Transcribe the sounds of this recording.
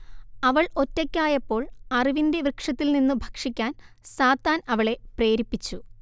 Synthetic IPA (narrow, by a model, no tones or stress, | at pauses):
ɐʋɐɭo̞tːɐkʲːaːjɐpːo̞ːɭɐriʋinde̞ʋrɨkʂɐt̪ːilninːubʱɐkʂikʲːaːn | saːt̪ːaːnɐʋɐɭe̞pre̞ːɾipːit͡ɕːu